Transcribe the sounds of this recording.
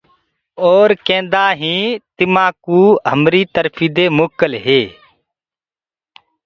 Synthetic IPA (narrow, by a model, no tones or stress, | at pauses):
oːɾkẽːnd̪aːɦĩːt̪ɪmãːkuːɦəmɾiːt̪əɾfʰiːd̪eːmʊːkːəlɦeː